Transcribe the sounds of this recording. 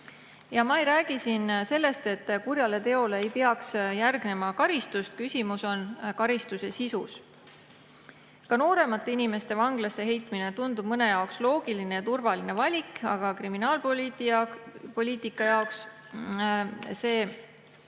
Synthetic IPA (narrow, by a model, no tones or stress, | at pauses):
jɑmɑejɾæːɡ̥isinse̞lːe̞st̪e̞t̪ːkurjɑle̞t̪e̞o̞le̞ːjpeɑksjærɡ̥ne̞mɑkɑɾist̪ust̪̚kysʲimuso̞nkɑɾist̪use̞sisus | kɑno̞ːɾe̞mɑt̪ːˑeinime̞st̪e̞vɑŋɡ̥lɑsːe̞ɦe̞jt̪ˑmine̞t̪und̪ub̥̚mɤne̞jɑokslo̞ːɡ̥iline̞jɑt̪urvɑline̞vɑlʲikɑ̰ɡ̥ɑkriminɑːlpt̪ | po̞lʲiːt̪ˑikːˑɑjɑoks | se̞ː